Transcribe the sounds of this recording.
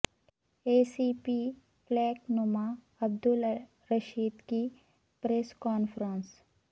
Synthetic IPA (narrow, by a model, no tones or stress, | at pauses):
eːsiːpi | flɛːknoma | ɐb̚d̪ʊl | ɾɐʃiːd̪ki | pɾeːskɔːnfɾə̃ns